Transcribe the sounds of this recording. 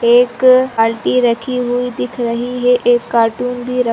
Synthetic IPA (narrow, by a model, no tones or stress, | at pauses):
eːkaːlʈiɾɐkʰiɦuid̪ɪkʰɾɐɦiɦeʔeːkːaːɾʈuːnbʱiɾɐ